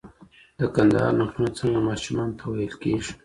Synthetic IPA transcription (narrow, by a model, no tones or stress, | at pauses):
d̪̥əkand̪ɑ̰ɾnaʃunat͡səŋɡamɑːʃumɑːnt̪ʰawajəlkeːʒ